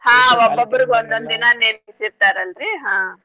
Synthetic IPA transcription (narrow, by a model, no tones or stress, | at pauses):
ɦãːobːɐbːɐɾiɡeond̪ond̪inɐnenɦisiɾt̪aːɾɐlɾiɦãː